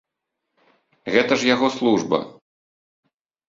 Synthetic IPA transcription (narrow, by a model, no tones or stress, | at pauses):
ɣɛt̪ɐʐjaɣɔslˠuʐbɐ̰